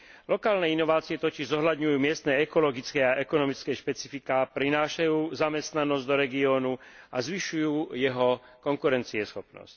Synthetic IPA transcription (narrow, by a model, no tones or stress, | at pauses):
lɔkaːlnɛːinɔʋaːt͡siɛt̪ɔciʒzɔɦʎad̪ɲujuːmɪɛst̪nɛːɛkɔlɔɡit͡skɛːaʔɛkɔnɔmit͡skɛjʃpɛt͡sifikaːpɾinaːʃajuːzamɛst̪nanɔzɟd̪ɔɾɛɡiɔːnuazʋiʃujuːjɛɦɔkɔŋkuɾɛnt͡siɛsxɔpnɔ̰sc